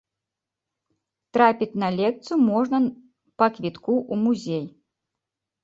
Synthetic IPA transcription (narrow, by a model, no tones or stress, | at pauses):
t̪ɾapʲit͡sʲnɐlʲɛk̚t̪sɨumɔʐnɐ | pɐkvʲit̪kuʔumuzʲej